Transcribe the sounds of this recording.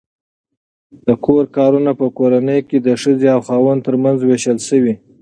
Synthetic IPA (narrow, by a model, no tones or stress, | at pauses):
d̪̥əkʰoɾkɑɾunapəkoɾanəjked̪əʂəzeawxɑwənt̪əɾmanzweʃəlʃəwi